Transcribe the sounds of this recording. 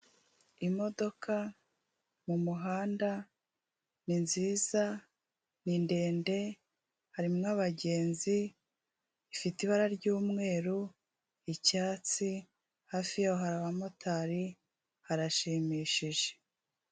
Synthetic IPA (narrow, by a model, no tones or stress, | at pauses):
imo̞do̞kʰa | mumuɦaːnda | ninziːza | ninde̞ːnde̞ | haɾimŋaβaɟe̞ːnzi | fitiβaɾaɾɟuːmŋe̞ːɾu | icaːt͡si | haːfijaoɦaɾaβamo̞tʰaɾi | haɾaʃiːmiːʃiʒe̥